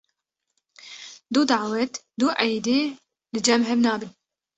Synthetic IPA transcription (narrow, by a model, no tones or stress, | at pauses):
d̪uːd̪aʕwɛt̪ | d̪uːʔɛjd̪eː | lɨd͡ʒɛmɦɛbnɑːbɨn